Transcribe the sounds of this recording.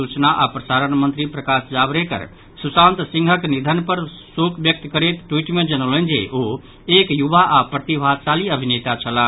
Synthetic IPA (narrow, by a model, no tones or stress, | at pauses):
ut͡ʃnaʔapɾəsaɾənmənt̪ɾipɾəkasd͡ʒabɾekə̰ɾ | susãnt̪sĩŋɡʱəknid̪ʱənpəɾsokbjək̚t̪kəɾet̪ʈwiʈmẽd͡ʒənələ̃nd͡ʒḛʔo | ekjubaʔapɾət̪ibʱad̪saliəbʱinet̪at͡ʃʰəla